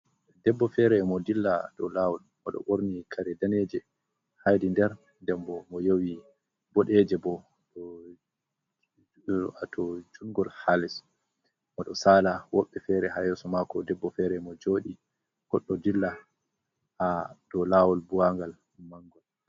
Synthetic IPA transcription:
dɛbːɔfɛɾɛmɔdilːadɔlawɔlmɔɗɔ̰ɓoɾnikʰaɾɛdaned͡ʒɛ | hajdindɛɾ | ndɛmbɔmɔjowi | bɔɗɛd͡ʒɛbɔ | ɗɔ | atʰɔd͡ʒuŋɡɔlhalɛs | mɔɗɔsaːlawɔɓːɛfɛɾɛhajɛsɔmakɔdɛbːɔfɛɾɛmɔd͡ʒoːɗi | kɔɗːɔdilːa | had̥ɔlawɔlbuwaŋɡal | maŋɡɔl

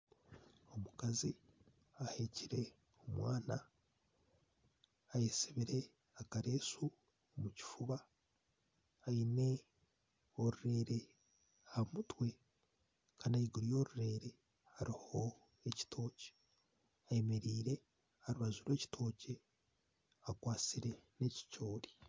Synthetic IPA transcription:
o̞mukazi | ahe̞ciɾe̞ | omwaːna | jesiβiɾe̞ | akaɾe̞ːsu | omuci̥fuβa | ine̞ | oɾuɾe̞ːɾe̞ | amutwe̞ | kʰaːnajiɡuɾijo̞ːɾuɾe̞ːɾe̞ | haɾiho̞ | e̞ci̥tʰo̞ːce̥ | ajemeɾiːɾe̞ | haɾuβazuɾwe̞ːci̥tʰo̞ːce̞ | akwaːt͡siɾe̞ne̞ci̥co̞ːɾi̥

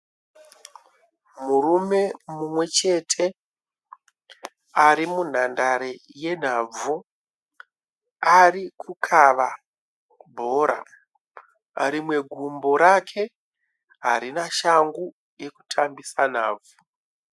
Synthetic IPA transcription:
murume̞mumwe̞t͡ʃe̞tʰe̞ | aɾimun̤andaɾeje̞n̤ab͡vu | arikʰukʰaʋa | bʱo̞ːɾa̰ | aɾimwe̞ɡʱumbo̞ɾakʰe̞ | ɦaɾinaʃaŋɡu | je̞ku̥tʰambisan̤a̰ːb͡vu

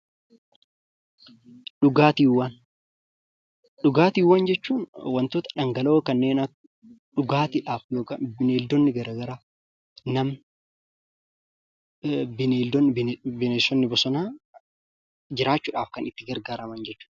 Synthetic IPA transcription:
ᶑʊɡaːt̪iːwːaːn | ɗʊɡaːt̪iːwːand͡ʒɛt͡ʃːuːnwɐnt̪oːt̪ɐ̥ᶑɐŋɡɐloːkɐnːeːnɐ | ᶑʊɡaːt̪ɪᶑaːfjo̞ːkaːbɪneːld̪ɔnːɪɡɐɾɐːɡɐɾaː | nɐm | bɪneːld̪ɔnbbɪnesɔnːɪbɔsɔnaː | d͡ʒɪɾaːt͡ʃːʊːᶑaːfkɐnɪt̪ːɪɡɐɾɡaːɾɐmɐnd͡ʒɛt͡ʃːʊ̥ᶑ

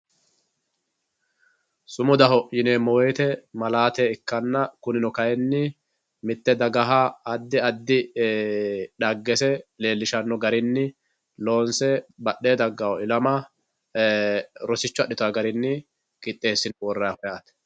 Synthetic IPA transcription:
sʊmʊd̪ɐhɔʔjɪneːmɔwejt̪ɛmɐlaːt̪eɪkːɐnːɐkʊnɪnɔkɐjɛnːɪ | mɪt̪ːɛd̪ɐɡɐɦaɐd̪ːɪɐd̪ːɪ | ᶑɐɡːɛsɛle̞ːlːɪʃɐnːɔɡɐɾɪnːɪ | lo̞ːnsɛbɐɗːeːd̪ɐɡːɐwɔɪlɐmɐ | ɾɔsɪt͡ʃːʊɐɗːɪt̪ʊɐɡɐɾɪnːɪ | kɪt̪ʼːe̞ːsːɪnwɔrːɐahɔjaːt̪

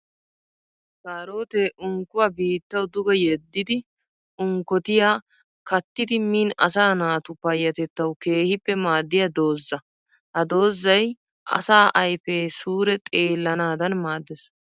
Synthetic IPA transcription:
saːɾo̞ːt̪eːʔʊŋkʊwabiːt̪ːɐwd̪ʊɡɐjɛd̪ːɪd̪ɪ | ʊŋkɔt̪ɪjaː | kɐt̪ːɪd̪ɪmiːnɐsaːnaːt̪ʊpɐjːɐt̪ɛt̪ːɐwke̞ːhɪpːɛmaːd̪ːɪjɐd̪o̞ːzːɐ | hɐd̪o̞ːzːɐj | ʔɐ̰saːʔɐjfeːsuːɾɛt̪ʼeːlːɐnaːd̪ɐnmaːd̪ːɛs

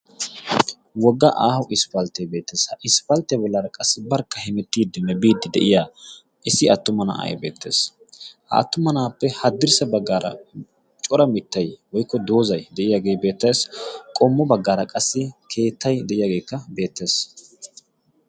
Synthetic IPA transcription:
wɔɡːɐʔaːhʊʔɪspɐlt̪ːɛjbe̞ːt̪ːeːshɐʔɪspɐlt̪ːɛbɔlːɐɾɐkʼɐsːɪbɐɾkːɐhɪmɛt̪ːiːd̪ɪmːɛbiːd̪ːɪd̪ɛ̰ʔɪjaː | ʔɪsɪɐt̪ːʊmɐna̰ʔɐ̰jbe̞ːt̪ːe̞̰ːs | ɐ̰ːt̪ːʊmɐnaːpːɛhɐd̪ːɪɾsɛbɐɡːaːɾɐ̰ | t͡ʃʼɔɾɐmɪt̪ːɐjwɔjkːɔd̪o̞ːzɐjd̪ɛʔɪjaːɡe̞ːjbe̞ːt̪ːɐjskʼɔmːɔbɐɡːaːɾɐkʼɐsːɪkʰe̞ːt̪ʰːɐjd̪ɛʔɪjaːɡe̞ːkːɐbe̞ːt̪ːe̞ːs

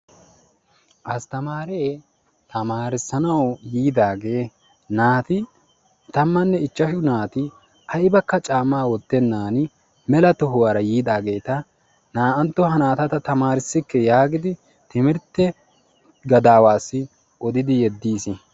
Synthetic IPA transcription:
ʔɐst̪ɐmaːɾeː | t̪ɐmaːɾɪsːɐnɐwjiːd̪aːɡe̞ː | naːt̪ɪ | t̪ɐmːɐnːɛɪt͡ʃːɐʃʊnaːt̪ɪ | ʔɐjbɐkːɐt͡ʃʼaːmaːwɔt̪ːɛnːaːn | mɛlɐt̪ɔɦʊwɐɾɐjiːd̪aːɡe̞ːt̪ɐ | naːʔɐnt̪ːɔɦɐnaːt̪ɐt̪ɐt̪ɐmaːɾɪsːɪkːɛjaːɡɪd̪ɪ | t̪ɪmɪɾt̪ːɛ | ɡɐd̪aːwaːsːɪ | ɔd̪ɪd̪ɪjɛd̪ːiːsɪ

